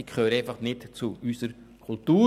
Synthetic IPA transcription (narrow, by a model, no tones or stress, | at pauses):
ikʰχøːɾeɪfɑχnɪtt͡suysəɾ | kʰʊltuː